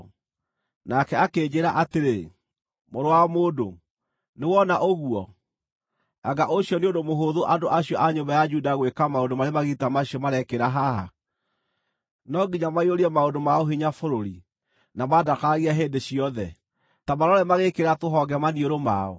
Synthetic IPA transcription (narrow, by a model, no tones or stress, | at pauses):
nakɛakeːd͡ʑeɾaʔateɾe | moɾowamoːdo | newɔnaʔoɣuɔ | aɡaʔoɕjɔneondomoɦoðoʔadoʔaɕiɔʔaɲombajad͡ʒudaɣwekamaodomaɾemaɣitamaɕiɔmaɾɛkeɾaɦaɦa̰ | nɔɡiɲamaioɾiɛmaodomaoɦiɲafoɾoɾi | namadakaɣiaɦeːndeɕiɔðɛ | tamaɾɔɾɛmaɣekeɾatoɦɔɡɛmanioɾoma̰ɔ̰